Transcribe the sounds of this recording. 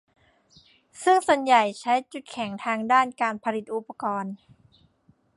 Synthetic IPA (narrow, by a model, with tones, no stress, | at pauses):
sɯ˥˩ŋsa˨˩nja˨˩jt͡ɕʰa˦˥jt͡ɕu˨˩t̪̚kʰɛ˩˦ŋt̪ʰaː˧ŋdaː˥˩nkaː˧npʰa˧li˨˩t̪̚ʔu˨˩pːa˧kɔː˧n